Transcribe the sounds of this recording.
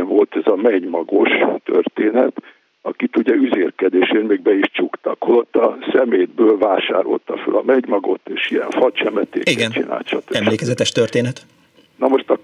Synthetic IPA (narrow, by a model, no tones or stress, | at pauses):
ɱvo̞lt̪ɛzɒmɛɟmɒɡo̞ʃt̪ø̰rt̪eːnɛt̪ | ɒkit̪uɟɛyzeːrkɛd̪eːʃeːnmeːɡ̚bɛiʃt͡ʃukt̪ɒkho̞lo̞t̪ːɒsɛmeːd̪bøːlvaːʃa̰ːɾo̞̰lt̪ɒfø̰lɒmɛɟmɒɡo̞t̪ːeːʃijɛ̰ɱfɒt͡ʃɛmɛt̪ḛːiɡɛnt͡ʃḭna̰ːlt̪ʃɒt̪øɛmleːkɛzɛt̪ɛʃt̪ørt̪eːnɛt̪ | nɒmo̞ʃt̪ɒ